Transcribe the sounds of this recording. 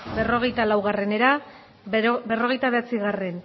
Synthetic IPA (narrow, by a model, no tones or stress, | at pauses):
bero̞ɣ̞e̞jt̪alawɣare̞ne̞ɾa | be̞ro̞ɣejt̪aβe̞at͡siɣare̞n